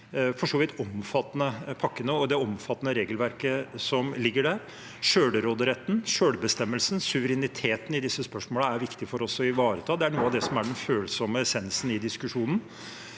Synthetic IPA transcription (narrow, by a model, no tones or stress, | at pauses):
fɔʂoːʋɪt̪ʰɔmfɑt̪ːnəpʰɑkːənəɔd̪ɛɔmfɑt̪ːnəɾeːɡəlʋæɾkəsɔmlɪɡːəɖæɾ | ʂøːɽəɾoːd̪əɾɛt̪ːn̩ʂøːɖ̪əbəst̪ɛmːəlsnsʉʋəɾɛnɪt̪ʰeːt̪n̩ɪd̪ɪsːəspœʂmoːləæɾʋɪkt̪ɪfɔɾɔsːɔɪʋɑːɾət̪ʰɑːd̪ɛæɳuːəɑʋd̪ɛsɔmæɖɛnføːlsɔməɛsɛnsn̩ɪd̪ɪskʉʂuːnən